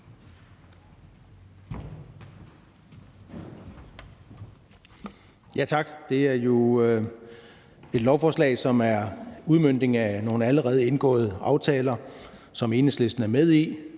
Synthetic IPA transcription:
jæt͡sʰɑ̈ɡ̥d̥e̝æɐjo̝ | e̝d̥lɒʊfɒːslɛ̰ɪsɒ̽mæɐuð̞ˠmøn̰d̥e̝ŋæno̝ːn̩æləʁɛːð̩ˠenɡ̥ɔ̰̽ːð̞̩ˠəʔɑ̈ʊt͡sʰɛ̰ːlɐ | sɒ̽me̝ːnesle̝sd̥n̩æɐmeð̞ˠi

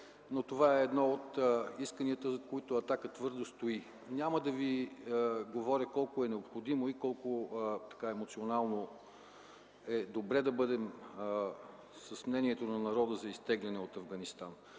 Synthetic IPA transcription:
not̪ovaɛːd̪nɔot̪iskəniət̪əzɐkoit̪ʊɐt̪akət̪vɤɾd̪ost̪oi | nʲaməd̪ɐvi | ɡovɔɾʲəkɔlˠkʊɛnɛopxod̪imoikɔlˠkot̪ɐ̥kaɛmot̪sionalˠno | ɛd̪obɾɛd̪ɐbɤd̪ɛm | səsmnɛniɛt̪onɐnɐɾɔd̪əzɐist̪ɛɡlʲɛnɛot̪ɐvɡɐnist̪an

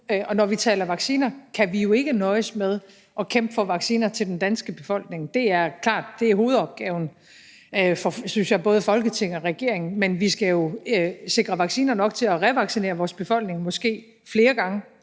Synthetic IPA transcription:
ʔɒ̽nɒʋit͡sʰɛ̰ːlɐʋɑ̈ɡ̥siːnɐkʰæʋijo̝e̝ɡ̥ənɒ̽ɪəsmeð̞ˠ | ʔɒ̽kʰem̰b̥əfɒʋɑ̈ɡ̥siːnɐt͡sʰeld̥end̥ænsɡ̥əb̥e̝fɒ̽l̰ɡ̥ne̝ŋd̥e̝æɐkʰlɑ̰̈ːd̥d̥e̝æɐɦo̝ːð̞̩ˠɒ̽b̥̚ɡ̥ɛːʊn̩ | fɒ̽synsjɑ̈ɪb̥ɔ̽ːð̞ˠəfɒ̽lɡ̥ət͡sʰe̝ŋ̰ɒʁɛɡ̥e̝̰ɐ̰e̝ŋn̩menʋisɡ̥æjo̝se̝ɡ̥ʁɐʋɑ̈ɡ̥siːnɐnɒ̽ɡ̥̚t͡sʰe̝læʁɛʋɑ̈ɡ̥sine̝̰ːɐʋɒːsb̥e̝fɒ̽l̰ɡ̥ne̝ŋmɒ̽sɡ̥e̝̰ː | fle̝ːɐɡ̥ɑ̈ŋə

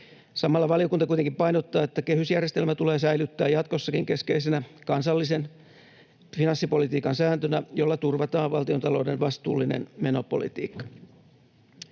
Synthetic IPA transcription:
sɑmɑlːɑʋɑlio̞kunt̪ɑkuijt̪eŋkimpɑinot̪ːɑːet̪ːækehysjærjest̪e̞lmæt̪ule̞ːsæjlyt̪ːæːjɑt̪ko̞sːɑkiŋke̞ske̞isenækɑnsɑlːisen | finɑnsːipo̞lit̪iːkɑnsæːnt̪ønæjo̞lːɑt̪urʋɑt̪ɑːʋʋɑlt̪iot̪ɑlo̞ːdenʋɑst̪ṵːlːinḛnmeno̞po̞̰lḭt̪ḭːkːɑ̥

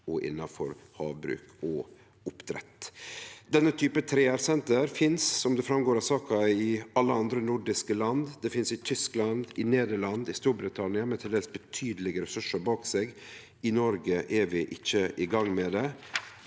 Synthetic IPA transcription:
ɔʔɪ̰nːɑfɔ̰ɾhɑ̰ːʋbɾʉ̰ːkɔ | ʊpt̪ʰɾɛ̰t̪ːd̪ɛnːət̪ʰyːpət̪ʰɾeːæːɾsɛnt̪əɾfɪnsːɔmd̪ɛfɾɑmɡoːɾɑsɑːkɑɪɑlːəɑnd̪ɾənʊɖɪskəlɑnd̪d̪ɛfɪnsɪt̪ʰʏsklɑnd̪ɪneːd̪əɭɑnd̪ɪst̪uːɾbɾɪt̪ʰɑnɪɑmɛt̪ʰɪld̪eːləsbət̪ʰyːd̪əlɪɡəɾɛsʉʂəɾbɑːkseɡ | ɪnɔɾɡəʔɛʋɪʔɪçːəʔɪɡɑŋːmɛd̪ɛ

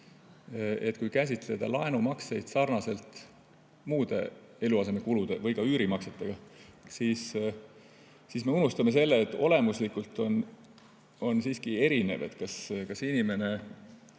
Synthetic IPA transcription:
et̪ːˑkujkæs̬ʲit̪le̞d̪̥ɑlɑe̞numɑkse̞jd̪̥sɑrnɑse̞lt̪ˑ | muːd̪̥e̞̰ | e̞luɑse̞me̞kulud̪̥e̞vɤjkɑyːɾimɑkset̪ːˑeɡ̥ɑsis | siːsme̞unust̪ɑme̞s̬e̞lːeːt̪ːˑo̞le̞muslikːˑult̪ːˑo̞n | o̞nsiːskie̞ɾine̞ve̞t̪kɑskɑsinime̞ne̞

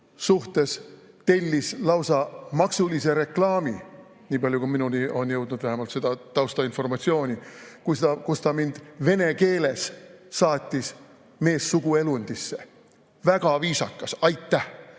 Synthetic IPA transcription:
suht̪e̞s | t̪e̞lʲːislɑwsɑmɑksulise̞ɾe̞klɑːmi | niːpɑljukuminunio̞njɤwd̪̥nud̪̥væɦemɑlt̪se̞d̪̥ɑt̪ɑwst̪ɑinfo̞rmɑt̪sio̞ːnʲikujst̪ɑkust̪ɑmind̪̥ve̞ne̞ke̞ːle̞sːɑːt̪ʲːˑis | me̞ːsːuɡ̥ue̞lunʲd̪̥isːe̞ | væɡ̥ɑviːsɑkːˑɑsɑjt̪ːˑæh

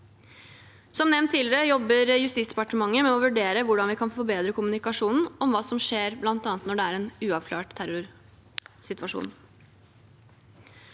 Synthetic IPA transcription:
sɔmnɛʋnt̪ʰːiːləɾəjɔbːəɾjʉst̪iːtsd̪ɛpɑʈəmɑŋːəmɛɔʋʉɖeːɾəʋʊɖɑnʋɪkʰɑnfɔbeːd̪ɾəkʊmʉnɪkɑʂuːnn̩ɔmʋɑːsɔmʂeːɾblɑnt̪ɑːnət̪nɔɖɛæːɾɛːnʉːɑʋkʰlɑːʈt̪ʰːæɾʊɾ | sɪt̪ʋɑʂṵːn

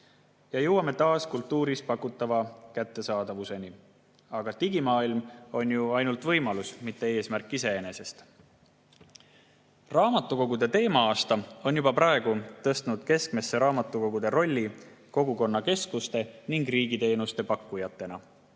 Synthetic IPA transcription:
jɑjowɑme̞t̪ɑːskult̪ːuːɾis̚pɑkːˑut̪ːˑɑvɑkæt̪ːe̞sɑːd̪̥ɑvuse̞ni | ɑɡ̥ɑt̪iɡ̥imɑːilmo̞njuɑjnult̪vɤ̞jmɑlusmit̪ːe̞e̞ːsmærkˑːis̬e̞ene̞se̞st̪ | rɑːmɑt̪ːˑuko̞ɡ̥ud̪e̞t̪e̞ːmɑɑːst̪ɑo̞njub̥ɑprɑe̞ɡ̥ut̪ɤ̞st̪nud̪̥ke̞skme̞sːe̞ɾɑːmɑt̪ːˑuko̞ɡud̪̥e̞ɾo̞lʲːiko̞ɡuko̞nːɑke̞skust̪e̞niŋɡriːɡ̥it̪e̞ːnust̪e̞pɑkːujɑt̪ːˑe̞nɑ̰

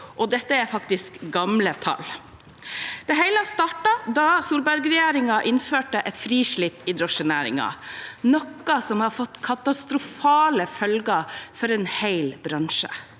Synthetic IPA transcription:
ʔɔd̪ɛt̪ːəæɾfɑk̚t̪ɪskɡɑmlət̪ʰɑ̰l | d̪̥ɛɦæɪləɑst̪ɑːʈɑd̪ɑsuːlbæɾɡɾɛjeːɾɪŋɑʔɪnføːʈəʔɛt̪fɾiːʂɭipːɪd̪ɾɔʃːənæːɾɪ̰ŋɑ̰nɔkːɑsɔmhɑɾfɔt̪ːkʰɑt̪ɑst̪ɾʊfɑːləfœlɡɑfɔɾɛnhæɪlbɾɑnʃə̰

